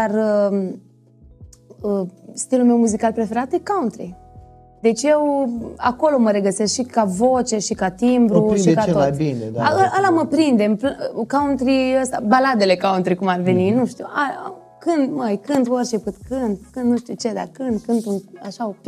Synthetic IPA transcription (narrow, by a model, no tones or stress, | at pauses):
d̪ar | əst̪ilulme̞wmuzikalpɾe̞fe̞ɾat̪jekaunt̪ɾḭ | d̪e̞t͡ʃʲjewa̰ko̞lo̞məɾe̞ɡəsesk̪ʃikavo̞t͡ʃe̞ʃikat̪imbɾuiekat̪oajbined̪aəʔəlaməpɾind̪e̞mplkaunt̪ɾiəst̪abalad̪e̞le̞kaunt̪ɾikumarve̞ninuʃt̪ua | kɨnd̪majkɨnd̪orʲt͡ʃepɨt̪kɨnd̪kɨnd̪nuʃt̪ut͡ʃe̞d̪a̰kɨnd̪̚kɨnd̪unaʃaop